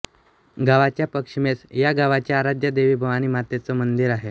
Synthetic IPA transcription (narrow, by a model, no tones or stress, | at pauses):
ɡaʋat͡ɕjapəkʂimesjaɡaʋat͡ɕjaːɾad͡ʑjəd̪eʋiːbʱəʋañiːmat̪et͡sɔmənd̪iɾaɦe